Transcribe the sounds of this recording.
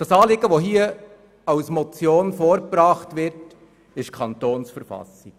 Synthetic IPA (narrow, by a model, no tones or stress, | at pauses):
d̥ɑsɑːlɪɡəʋoɦiːə | ɑwsmɔt͡sjoːnfoːɾpɾɑːχtvɪɾt | ɪʃkʰɑntoːnsfəɾfɑ̰sɪk